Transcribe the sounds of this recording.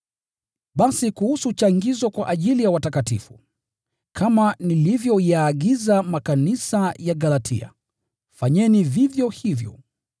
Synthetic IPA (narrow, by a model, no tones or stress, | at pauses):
ɓasikuhusut͡ʃaŋɡizɔkwaʔaʄilijawatakatḭfṵ | kʰamanilivjɔjaːɠizamakanisajaɠalatʰḭa̰ | faɲɛnivivjɔhivjɔ̰